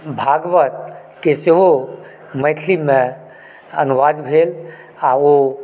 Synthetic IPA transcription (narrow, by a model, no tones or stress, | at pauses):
bʱaːɡʋət̪̚ | keseɦo | məɪʈʰlimẽ | ənuʋaːd̪bʱeːl | ao